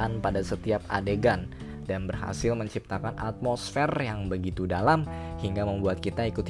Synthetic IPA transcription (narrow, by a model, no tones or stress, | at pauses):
anpadasət̪iap̚adeɡan | danbərɦa̰sɪlməɲt͡ʃip̚t̪akana̰t̪̚mosfɛrjaŋbəɡit̪udalamhiŋɡaməmbuat̪̚kit̪aikut̪